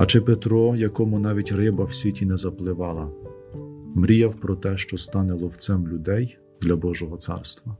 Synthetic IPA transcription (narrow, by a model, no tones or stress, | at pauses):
ɐt͡ʃɪpet̪ɾɔjɐkɔmʊnɑʋʲitʲrɪbɐwsʲitʲinɛzɐplˠɪʋɑlˠɐ | mɾʲijɐwpɾɔt̪ɛʃt͡ʃɔst̪ɑnɛlˠɔwt̪sɛmlʲʊd̪ɛj | d̪lʲɐbɔʒɔɦɔt̪sɑ̰rst̪ʋɐ